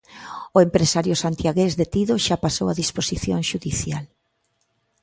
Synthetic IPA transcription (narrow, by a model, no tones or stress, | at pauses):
ʊempɾesaɾjʊsant̪jaɣezðet̪iðoʃapasowaðisposiθjoŋʃuðiθjal